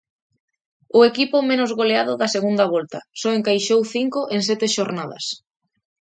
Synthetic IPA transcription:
ʊekipʊmẽnʊzɣoleaðʊðɐseɣund̪ɐβɔlt̪ɐsɔeŋkajʃowθiŋkʊʔeŋsɛt̪eʃoɾnaðɐ̰s

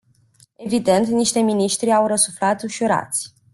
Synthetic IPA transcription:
e̞vid̪e̞nt̪niʃt̪e̞miniʃt̪ɾiawɾəsuflat̪uʃuɾa̰t̪sʲ

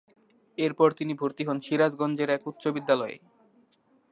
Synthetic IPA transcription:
eɾpɔɾt̪inibʱuɾt̪iɦɔnʃiɾad͡ʑɡɔnd͡ʑeɾɛkut̪ːɕobid̪ːalɔḛ

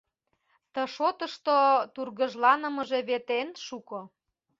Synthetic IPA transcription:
t̪ə̆ʃot̪əʃt̪ot̪urɣə̆ʒlɑnə̆mə̆ʒeβet̪enʃukŏ

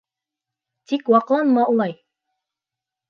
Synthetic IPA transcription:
t̪ikwɑqlˠɑnmɑulˠɑj

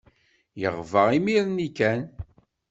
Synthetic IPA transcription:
jə̰ʁvəʁimiɾnikæn

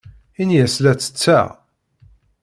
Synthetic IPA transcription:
injæslæt͡sːə̥t͡sːæ̰

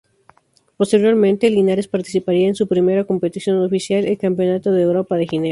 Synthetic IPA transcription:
po̞st̪e̞ɾjo̞ɾmẽnt̪elinaɾespaɾt̪isipaɾiaensupɾime̞ɾako̞mpe̞t̪isjo̞nofisjalelkampjo̞nat̪oðeːwɾo̞paðexine

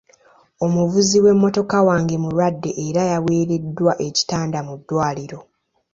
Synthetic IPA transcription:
o̞muvuziwe̞mːo̞to̞kawaːŋɡe̞muɾwadːe̞ʔːɾajawe̞ːɾe̞dːwaʔe̞ci̥taːndamudːwaːliɾo̞

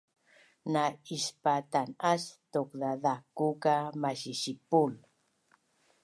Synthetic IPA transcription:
naispat̪anast̪okðaðakukamaɕiɕipul

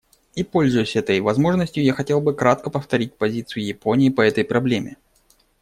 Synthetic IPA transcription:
ipo̞lʲzʊjʊsʲɛt̪əjvɐzmo̞ʐnəsʲtʲjʊjaxɐtʲe̞lˠbɨkɾat̪̚kəpəft̪ɐɾʲit̚ʲpɐzʲit̪sɨjʊjɪpo̞nʲɪːpəɛt̪əjpɾɐblʲemʲɪ

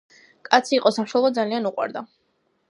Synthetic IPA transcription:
kʼat̪sʰiːqʼɔsamʃwɛlˠɔd̪zalianuqʼwa̰ɾd̪a

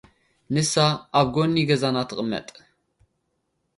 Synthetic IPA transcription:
nɨsaabɡʷonːiːɡɐzaːnat̪ʰɨqʼəmɐ̰tʼ

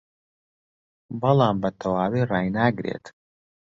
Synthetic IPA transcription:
bɐlˠaːmbɐt̪ʰɐwaːwiːraːjnaːɡɾḛːt̪

